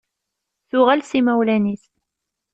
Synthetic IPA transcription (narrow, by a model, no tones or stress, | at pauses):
θʊʁælsimæwlæniθ